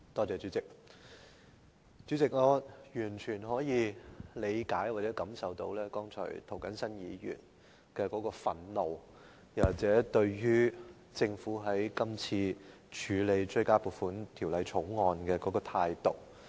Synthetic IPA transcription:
t̪ɔː˥t͡sɛː˨t͡syː˨˥t͡sɪ˨k̚ | t͡ʃyː˨˥t͡sɪ˨k̚ŋɔː˨˧jyː˨˩nt͡ʃʰyː˨˩nɦɔː˨˥jiː˨˧le˨˧jkaː˨˥jwaː˨t̚t͡sɛː˨˥kɐ˨˥msɐ˨wt̪o̰˨˧˥wlɛː˥kɔː˥ŋt͡ʃʰɔ̰ː˨˩t̪ʰo˨˩wkɐ˨˥nsɐ˥njiː˨˧jy̰ː˨˩n | kɛː˧kɔː˨˥kɔː˧fɐ˨˩nlo˨˧w | jɐ˨˩waː˨˩t͡sɛː˨˥t̪ɵ˧ɥjyː˥ | t͡sɪ˧ŋfuː˨˥ɦɐ˨˥jkɐ˥mt͡sʰiː˧ | t͡ʃʰyː˨˧le˨˧jt͡ʃɵ˥ɥkaː˥puː˨˩fuː˨˥nt̪ʰi˨˩wlɐ˨˧jt͡ʃʰʊ˨˥wŋɔː˨nkɛː˧kɔː˨˥kɔː˧t̪ʰaː˧jt̪o˨˩k̚

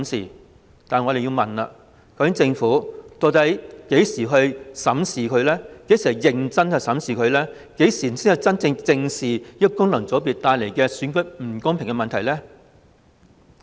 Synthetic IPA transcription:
msḭː˨˩ | t̪aː˨nŋɔ˨˧ɾe˨jiː˧wmɐ˨nɐ̰˧ | kɐ˨˥wkʰɪ˥ŋt͡sɪ˧ŋfuː˨˥t̪o˧t̪ɐ˨˥jke˨˥jsiː˨˩ɦɵ˧ɥsɐ˨˥msiː˨kʰɵ˨˧ɥlɛː˥ke˨˥siː˨˩ɐ˨˧wjɪ˨ŋt͡sɐ˥nhɐ˨wsɐ˨˥msiː˨˩kʰɵ˨˧ɥlɛː˥ | ke˨˥jsiː˨siː˥nhɐ˨˧wt͡sɐ˥nt͡sɪ˧ŋt͡sɪ˧ŋsiː˨˩jɐ˥kʊ˥ŋlɐ˨˩ŋt͡so˨˥piː˨t̚t̪aː˧jle˨˩jkɛː˧syː˨˥nkɵ˥k̚m̩˨˩kʊ˥ŋpʰɪ˨˩ŋkɛ˧mɐ˨nt̪ʰɐ˨˩jlɛː˥

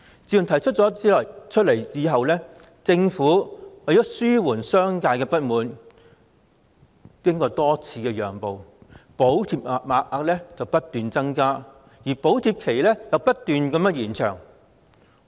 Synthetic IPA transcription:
t͡siː˨˧jt̪ʰɐ˨˩jt͡ʃʰɵ˥t̚t͡sɔ˨˥t͡siː˨˥lɔː˨˩jt͡ʃʰɵ˥t̚le˨˩jiː˨˧ɦɐ˨wlɛː˥ | t͡sɪ˧ŋfuː˨˥wɐ˨jɔː˨˥syː˥wuː˨˩nsœː˥ŋkaː˧jkɛː˧pɐ˥t̚muː˨n | kɪ˥ŋkɔː˧t̪ɔː˥t͡sʰiː˧kɛː˧jœː˨˩ŋpo˨wpo˨˥wt̪ʰiː˧p̚ːk̚maː˨˧k̚ʔaː˧k̚lɛː˥t͡sɐ˨wpɐ˥t̚t̪yː˨nt͡sɐ˥ŋkaː˥ | jiː˨˩po˨˥wt̪ʰiː˧p̚kʰe˨˩jlɛ˥jɐ˨wpɐ˥t̚t̪yː˨˧nkɐ˧mɐ˥jiː˨˩nt͡ʃʰœ̰ː˨˩ŋ

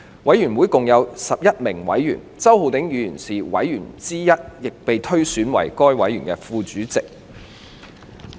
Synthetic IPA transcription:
wɐ˨˥jyː˨˩nwu˨˥jkʊ˨ŋjɐ˨˧wsɐ˨p̚jɐ˥t̚mɪ˨˩ŋwɐ̰˨˥jːy̰ː˨˩nt͡sɐ˥who˨wt̪ɪ˨˥ŋjyː˨˧jyː˨˩nsiː˨wɐ̰˨˥jːyː˨˩nt͡siː˥jɐ˥t̚jɪ˨k̚pe˨jt̪ʰɵ˥ɥsyː˨˥nwɐ̰˨˩jkɔː˥jwɐ˨˥jɥyː˨˩nkɛː˧˥fuː˧t͡ʃyː˨˥t͡sɪ˨k̚

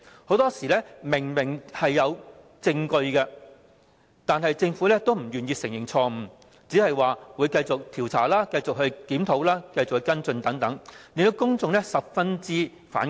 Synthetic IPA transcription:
ho˨˥wt̪ɔː˥siː˨˩lɛː˥mɪ˨˩ŋmɪ˨˩ŋhɐ˨jːɐ˨˧w | t͡sɪ˧ŋkɵ˧ɥkɛ˧ | t̪aː˨nɦɐ˨jt͡sɪ˧ŋfuː˨˥lɛː˥t̪o˥wm̩˨˩jyː˨njiː˧sɪ˨˩ŋjɪ˨˩ŋt͡sʰɔː˧m̩˨˩ | t͡siː˨˥hɐ˨jwaː˨wuː˨˧jkɐ˧jt͡sʊ˨k̚t̪ʰiː˨˩wt͡sʰa̰ː˨˩laː˥kɐ˧jt͡sʊ˨k̚ɦɵ˧ɥkiː˨˥mt̪ʰo˨˧˥wlaː˥kɐ˧jt͡sʊ˨k̚hɵ˧˥kɐ˥nt͡sɵ˧nt̪ɐ˨˥ŋt̪ɐ˨˥ŋli˨nt̪o˧wkʊ˥ŋt͡sʊ˨ŋlɛ˥sɐ˨p̚fɐ˥nt͡siː˥ | fa̰ː˨˥n

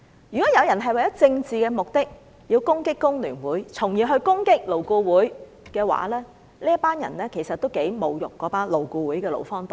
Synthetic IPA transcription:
jyː˨˩kɔː˨˥jɐ˨˧wjɐ˨˩nɦɐ˨jwɐ˨jɐ˥t͡sɪ˧ŋt͡siː˨kɛː˧mʊ˨k̚t̪ɪ˥k̚ | jiː˧wkʊ˥ŋkɪ˥kːʊ˥ŋlyː˨˩nwuː˨˥jt͡sʰʊ˨˩ŋjiː˨˩ɦɵ˧ɥkʊ˥ŋkɪ˥k̚lo˨˩wkuː˧wuː˨˥j | kɛː˧wa̰ː˨˥lɛː˥ | liː˥jɐ˥paː˥njɐ̰˨˩nlɛː˥kʰe˨˩sɐ˨t̚t̪o˥wke˨˥jmo˨˧wjʊ̰˨k̚ːɔː˨˥paː˥nlo˨wkuː˧wuː˨˥jkɛː˧lo̰˨wfɔː˥ŋt̪o˨˩

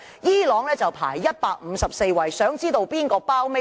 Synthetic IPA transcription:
jiː˥lɔː˨˥ŋlɛː˥t͡sɐ˨wpʰa̰ː˨˩jːɐ˥t̚paː˧k̚m̩˨˧sɐ˨p̚se˧jwɐ˨˩jsœː˨˥ŋt͡siː˥t̪o˧wpiː˥nkɔː˧paː˥wme˥

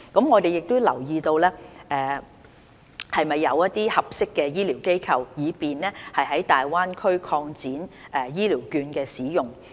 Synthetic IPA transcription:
kɐ˨˥mŋɔː˨˧t̪e˨jɪ˨k̚t̪ʊ˥lɐ̰˨˩wjiː˧t̪o˧wlɛː˥ʔɛː˨ | hɐ˨jmɐ˨jːɐ˨˧wjɐ˥t̪̚ːiː˥hɐ˨p̚sɪ˥kːɛː˧jiː˥liː˨˩wke˥jkʰɐ˧wjiː˨˧piː˨nlɛː˥hɐ˨jɦɐ˨˥jt̪aː˨jwaː˥nkʰɵ˥ɥkʰɔː˧ŋt͡siː˨˥n | ʔɛ˨˧jiː˥liː˨˩wkyː˧nkɛː˧siː˨˥jʊ˨˩ŋ

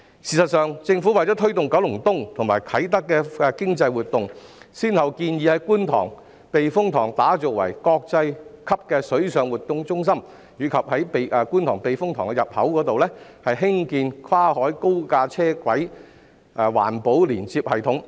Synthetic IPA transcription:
siː˨˩sɐ˨t̚sœː˨˧ŋt͡sɪ˧ŋfu˨˥wɐ˨jt͡sɔː˨˥t̪ʰɵ˥ɥt̪ʊ˨ŋkɐ˨˥wlʊ˨˩ŋt̪ʊ˥ŋt̪ʰʊ˨˩ŋmaː˨˩jkʰɐ˨˥jt̪̬ɐ˥kːɛː˧ɛ˧kɪ˥ŋt͡sɐ˧jwuː˨t̪̚ːʊ˨ŋsiː˥nhɐ˨wkiː˧njiː˨˧hɐ˨˥jkuː˥nt̪ʰɔ̰ː˨˩ŋ | pe˨jfʊ˥ŋt̪ʰɔː˨˩ŋt̪aː˨˥t͡sɔː˨˩k̚wɐ̰˨˩jkɔː˧k̚t͡sɐ˧jkʰɐ˥p̚kɛː˧sɵ˨˥ɥsœː˨ŋwuː˨˩t̚t̪ʊ˨˧ŋt͡sʊ˥ŋs̬ɐ˥m | jyː˨˩kʰɐ˨p̚hɐ˨˥jpe˨ʔɛ˧kuː˥nt̪ʰɔː˨˩ŋpe˨jfʊ˥ŋt̪ʰɔː˨˩ŋkɛ˧jɐ˨p̚hɐ˨˥wkɔː˨˥t̪o˨wlɛː˥hɐ˨jɦɪ˥ŋkiː˧nkʰwaː˥ɦɔː˨˥jko˥wkaː˧t͡sʰɛː˥kwɐ˨˥j | ʔwa̰ː˨˩npo˨˥wliː˨˩nt͡siː˧p̚hɐ˨jt̪ʰʊ˨˥ŋ

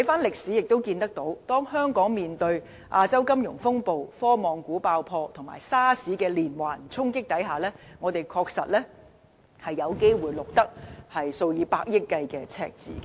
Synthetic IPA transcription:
tʰɐ˨˥jfaː˥nlɪ˨k̚siː˨˥jɪ˨k̚t̪o˥wkiː˧nt̪ɐ˥k̚t̪o˨˥wt̪ɔː˥ŋhœː˥ŋkɔː˨˥ŋmiː˨nt̪ɵ˧ɥ | ʔaː˧t͡sɐ˥wkɐ˥mjʊ˨˩ŋfʊ˥ŋpo˨wfɔː˥mɔː˨˩ŋkuː˨˥paː˧wpʰɔː˧t̪ʰʊ˨˩ŋma̰ː˨˩jsaː˥siː˨˥kɛː˧liː˨˩nwa̰ː˨˩nt͡sʰʊ˥ŋkɪ˥k̚t̪ɐ˨˥jɦaː˨lɛː˥ŋɔː˨˧t̪e˨jkʰɔː˧k̚sɐ̰˨t̚lɛː˥ | hɐ˨jːɐ˨˧wke˥jwuː˨jlʊ˨k̚t̪ɐ˥k̚hɐ˨jso˧wjiː˨˧paː˧k̚jɪ˥kːɐ˧jkɛː˧t͡sʰɛ̰ː˧k̚t͡sḭː˨˩kɛ˧

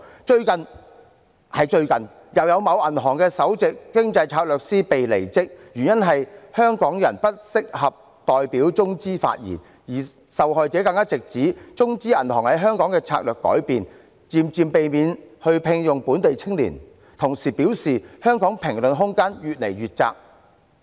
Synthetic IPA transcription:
t͡ʃɵ˧ɥkɐ˨n | hɐ˨jt͡ʃɵ˧ɥkɐ˨n | jɐ˨wjɐ˨˧wmɐ˨˧wʔɐ˨˩nɦɔː˨˩ŋkɛː˧sɐ˨˥wt͡sɪ˨kːɪ˥ŋt͡sɐ˧jt͡sʰaː˧k̚lœː˨k̚siː˥pe˨jlḛ˨˩jt͡sɪ˥k̚jy˨˩njɐ˥nɦɐ˨jhœː˥ŋkɔː˨˥ŋjɐ̰˨˩npɐ˥t̚sɪ˥k̚hɐ˨p̚ | t̪ɔː˨jpiː˨˥wt͡sʊ˥ŋt͡siː˥fa̰ː˧t̚jḭ˨˩n | jiː˨˩ | sɐ˨wɦɔː˨˧jt͡sɛː˨˥kɐ˧ŋkaː˥t͡sɪ˨k̚t͡siː˨˥t͡sʊ˥ŋt͡siː˥ɐ˨˩nhɔː˨˩ŋhɐ˨˥jɦœː˥ŋkɔː˨˥ŋkɛ˧t͡sʰa̰ː˧k̚lœː˨kːɔ̰ː˨˥jpiː˨n | t͡siː˧mt͡siː˧mpe˨jmiː˨˧nhɵ˧ɥpʰɪ˧ŋjʊ˨ŋpuː˨˥nt̪e˨jt͡sʰɪ˥ŋlḭː˨˩n | t̪ʰʊ˨˩ŋsiː˨˩piː˨˥wsiː˨hœː˥ŋkɔː˨˥ŋpʰɪ˨˩ŋlɵ˨nɦʊ˥ŋkaː˥njyː˨t̚le˨˩jɥyː˨t̚t͡sa̰ː˧k̚

